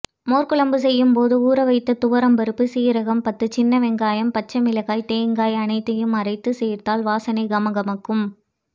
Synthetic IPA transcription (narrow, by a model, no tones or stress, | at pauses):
moːrkɯɭɐmbɯsɛjːɯmpoːðɯuːɾɐʋɐɪt̪ːɐt̪ʊʋɐɾɐmbɐɾɯpːɯsiːɾɐɣɐmpɐt̪ːɯt͡ʃɪnːɐʋɛŋɡaːjɐmpɐt͡ʃːɐmɪlɐɣaːjt̪eːŋɡaːjɐnɐɪt̪ːɐjɯmɐɾɐɪt̪ːɯseːɾt̪aːlʋaːsɐnɐɪɡɐmɐɣɐmɐkːɯm